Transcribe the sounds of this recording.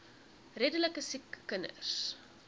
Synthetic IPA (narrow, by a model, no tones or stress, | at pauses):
redələkəsikːənə̰s